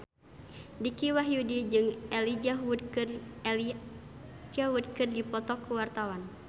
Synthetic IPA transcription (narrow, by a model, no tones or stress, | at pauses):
dikiwaɦjudid͡ʒɨŋɛlid͡ʒadkr | d͡ʒawud̪̚kɨrdipɔt̪ɔkːuwart̪awan